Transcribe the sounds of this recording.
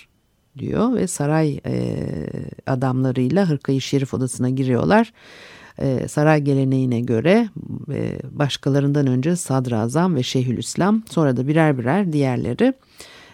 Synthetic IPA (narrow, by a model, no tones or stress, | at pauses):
d̪ḭjo̰vɛ̰saɾaj̰ | a̰d̪amlˠaɾɯjlˠaɦɯɾkʰajɯʃjeɾifo̞d̪asɯnaɟiɾijo̞̰lˠaɾ̥̰ | saɾajɟe̞lʲe̞ne̞jinɛɟø̞ɾɛ̰ | baʃkʰalˠaɾɯnd̪anø̞nd͡ʒɛsad̪ɾazamvɛʃeɦylʲʔyslʲamso̞nɾad̪abiɾæɾbiɾæɾd̪ijæɾlʲe̞̰ɾɪ